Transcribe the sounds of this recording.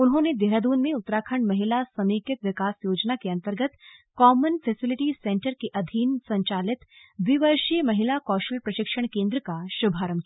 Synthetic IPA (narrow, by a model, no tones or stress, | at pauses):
ʊnɦõned̪eɾad̪uːnmẽʊt̪ːɾaːkʰəɳmɐɦɪlasɐmiːkɪt̪ʋɪkaːsjoːd͡ʒnakeɐ̃nt̪əɾɡət̪kɔːmənfʰɛːsɪlɪʈisẽːɳʈəɾkeʔɐd̪ʱiːnsɐ̃ɲt͡ʃaːlɪt̪ʋɪʋəɾʃijmɐɦɪlakɔːʃʈəlpɾɐʃɪkʃəɽ̃kẽːnd̪ɾəkaʃʊbʱaːɾəmkia